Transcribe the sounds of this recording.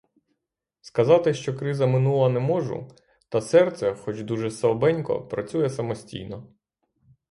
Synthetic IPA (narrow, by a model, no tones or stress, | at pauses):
skɐzɑt̪ɪʃt͡ʃɔkɾɪzɐmɪnulˠɐnɛmɔʒʊ̰ | t̪ɐsɛrt̪sɛxɔt͡ʃd̪uʒɛsɐbɛnʲkɔ̰pɾɐt͡sʲujɛsɐmɔsʲtʲḭjnɔ